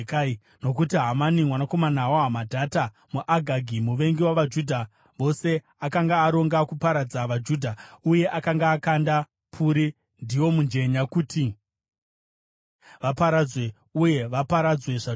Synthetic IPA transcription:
kai | no̞k̬utiɦamanimwanako̞manawoɦamadʱata | muʔaɡʱaɡʱimuʋe̞ŋɡiwaʋad͡ʒudʱa | ʋo̞se̞ | akaŋɡaːɾo̞ŋɡakupaɾad͡zaʋad͡ʒudʱauje̞ʔakaŋɡaːkanda | pʰuɾi | ndiwo̞mund͡ʒe̞ɲakutʰi | ʋapaɾad͡zwe̞ | uje̞ʋapaɾad͡zwe̞ʐa

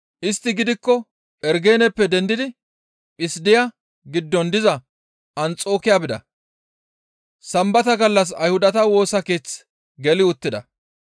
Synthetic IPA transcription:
ʔɪst̪ːɪɡɪd̪ɪkːɔ | ʔɛɾɡe̞ːnɛpːɛd̪ɛnd̪ɪd̪ɪ | pʼɪsd̪ɪjɐ | ɡɪd̪ːɔnd̪ɪzɐ | ʔɐnt͡sʼo̞ːkɪjabɪd̪ɐ̰ | sɐmbɐt̪ɐɡɐlːɐs̬ɐjhʊd̪ɐt̪ɐwo̞ːsɐke̞ːt͡s | ɡɛlɪʊt̪ːɪd̪ɐ

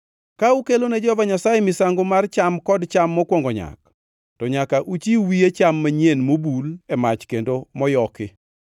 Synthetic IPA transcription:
kaukeloned͡ʒɔvaɲasajemɪsaŋɡomart͡ʃamkɔdt͡ʃamːɔkwɔŋɡɔɲa̰k̚ | tɔɲakaʔut͡ʃiwiet͡ʃamːaɲenmobulɛmat͡ʃkendomɔjɔkɪ

